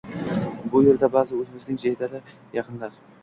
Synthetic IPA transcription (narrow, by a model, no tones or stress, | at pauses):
bʊjeɾd̪abɑzɪwɵzɪmɪznɪŋʒejd̪æɾɪ | jɑqənlˠɑɾ